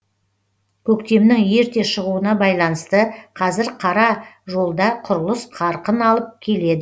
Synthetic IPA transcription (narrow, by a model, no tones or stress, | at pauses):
kʲʰɵkt̪e̞mnɪŋje̞ɾt̪e̞ʃəʁuənɑbɑjlˠɑnəst̪əqʰɑzɪɾqʰɑɾɑʒo̞lˠd̪ɑqʰʊɾəlˠəsqʰɑɾqənɑlˠəp̚kʲʰe̞le̞d̪ɪ